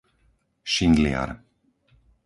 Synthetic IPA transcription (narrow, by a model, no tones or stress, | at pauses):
ʃind̪lia̰ɾ